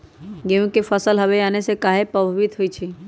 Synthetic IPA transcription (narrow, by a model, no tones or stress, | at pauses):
ɡeũkefʰəsəlɦəʋeaːnesekaːɦepɾəbʱəʋɪt̪ɦoit͡ʃʰi